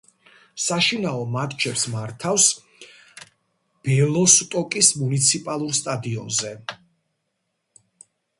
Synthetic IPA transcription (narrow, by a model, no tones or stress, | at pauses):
saʃinaɔmat̪ʼt͡ʃʰɛpsmaɾt̪ʰafs | b̥ɛlˠɔst̪ʼɔkʼismunit̪sʰipʼalˠuɾst̪ʼad̪iɔ̰nzɛ